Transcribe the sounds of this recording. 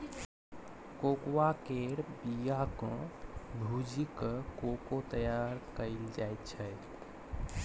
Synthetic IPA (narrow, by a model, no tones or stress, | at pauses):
kokwakeɾbijakɔ̃bʱud͡ʒikəkokot̪əjaɾkəɪld͡ʒajt̪̚t͡ʃʰɛ